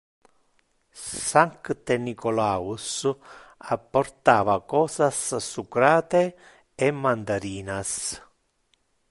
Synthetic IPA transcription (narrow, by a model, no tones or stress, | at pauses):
saŋkt̪enikolaːus | apːoɾt̪aːvakɔːsassukɾaːt̪e | emːand̪aɾiːnas